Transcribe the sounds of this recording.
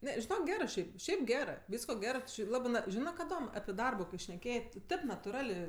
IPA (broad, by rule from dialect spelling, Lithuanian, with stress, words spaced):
ˈnʲɛ ʒʲɪˈnoːk ˈɡʲæːrɜ ˈʃʲɛɪp ˈʃʲɛɪp ˈɡʲæːrɜ ˈʋʲiːskoː ˈɡʲæːrɜ tʊ ˈt͡ʃʲɪ ˈlˠɑːbɜ ˈnɐ ˈʒʲɪnɜ kɐˈdoːm ɐpʲɪ ˈdɐrboː ʃʲnʲɛˈkʲeːjeː tʊ ˈtʲeːp nɐtʊˈrɑːlʲeː